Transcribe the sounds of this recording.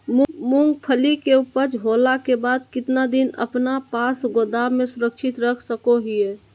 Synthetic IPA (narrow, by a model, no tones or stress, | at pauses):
mumũŋɡpʰəlikeupəɾd͡ʒɦolakebaːd̪kɪt̪nad̪inə̰pnapasɡod̪amẽsʊɾəkʃʰɪt̪ɾəkʰsəkoɦije